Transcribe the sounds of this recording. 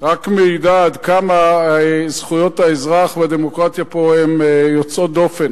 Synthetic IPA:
ʁakmeidad̪kama | z̥χujo̞t̪aezʁaχvead̪emokʁat̪japo̞emjot͡so̞t̚d̪o̞fen

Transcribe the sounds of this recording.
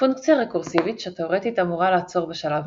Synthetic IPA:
fuŋkt͡sjaʁekuʁsivit̪ʃeat̪eoʁetit̪amuʁalaːt͡so̞ʁbeʃalav

